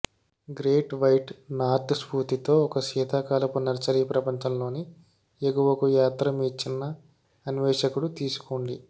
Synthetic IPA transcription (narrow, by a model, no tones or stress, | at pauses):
ɡɾeːʈʋɐjʈnaːɾt̪spuːt̪it̪o̞ːɔkɐʃiːt̪akaːlɐpunɐɾt͡ʃɐɾiːpɾɐpɐɲt͡ʃɐmlo̞ːni | eɡuʋɐkujaːt̪ɾɐmiːt͡ʃinːɐː | niʋɛːʂɐkuɽut̪iːsu̥koːɳɖi